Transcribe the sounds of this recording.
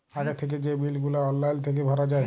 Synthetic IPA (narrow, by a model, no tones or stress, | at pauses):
aɡet̪ʰek̬ed͡ʑebilɡulaɔlːajlt̪ʰek̬ebʱaɾad͡ʑae